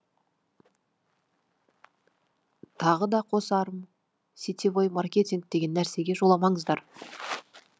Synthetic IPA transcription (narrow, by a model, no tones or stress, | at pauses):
t̪ʰɑʁəd̪ɑqʰo̞sɑɾəm | sit̪ivojmarkʲe̞t̪ʲiŋk̚d̪̥e̞ɡʲe̞nːæɾse̞ɡʲe̞ʒo̞lˠɑmɑɴəzd̪ɑɾ